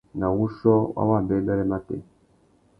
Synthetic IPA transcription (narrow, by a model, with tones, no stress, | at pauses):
na˨wu˦ʃɔ˦wa̰˦wa˦˨m˨bɛ˦mbɛ˦ɾɛ˦ma˦tḛ˨